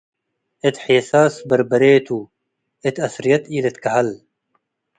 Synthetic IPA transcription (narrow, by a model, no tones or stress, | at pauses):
et̪ħeːsaːsbɐɾbɐɾeːt̪ʰuː | et̪ɐsɾijɐt̪iːlet̪kɐɦɐl